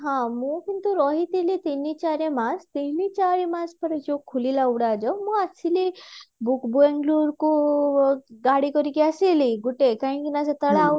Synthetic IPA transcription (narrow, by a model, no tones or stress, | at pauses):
ɦãmukint̪uɾɔɦit̪ilit̪enit͡ɕaɾemast̪init͡ɕaɾemaspəɾet͡ʃokʰːulilauɽad͡ʑɔmuasʰilibukbuẽŋɡluɾku | ɡaɽikɔɾikiaseliɡuʈekaɦĩkinas̬at̪əɭa